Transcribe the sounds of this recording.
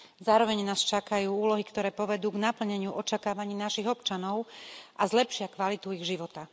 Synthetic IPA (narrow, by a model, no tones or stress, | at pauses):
zaːɾɔʋɛɲnaːst͡ʃakajuːuːlɔɦikt̪ɔɾɛːpɔʋɛd̪uːɡnapl̩ɲɛɲɪuʔɔt͡ʃakaːʋaɲiːnaʃiɣɔpt͡ʃanɔʊʔazlɛpʃɪakʋalit̪uiɣʒiʋɔt̪a